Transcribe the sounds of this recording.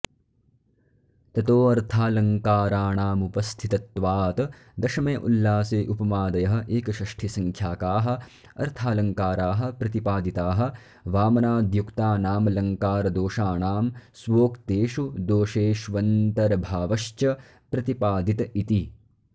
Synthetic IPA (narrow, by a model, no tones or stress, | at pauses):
t̪ɐt̪oːɐɾt̪ʰaːlɐŋkaːɾaːɳaːmupɐst̪ʰit̪ɐt̪ʋaːt̪ɐ | d̪ɐʃɐmɐjɐʔṵlːaːseːʔupɐmaːd̪ɐjɐɦɐ̆ʔeːkɐʃɐʂʈʰisɐŋkʰjaːkaːɦɐ̆ | ɐ̰ɾt̪ʰaːlɐŋkaːɾaːɦɐ̆pɾɐt̪ipaːd̪it̪aːɦɐ̆ | ʋaːmɐnaːd̪jukt̪aːnaːmɐlɐŋkaːɾɐd̪oːʃaːɳaːmsʋoːkt̪eːʃud̪oːʃeːʃʋɐnt̪ɐɾɐbʱaːʋɐʃt͡ʃɐ | pɾɐt̪ipaːd̪it̪ɐit̪i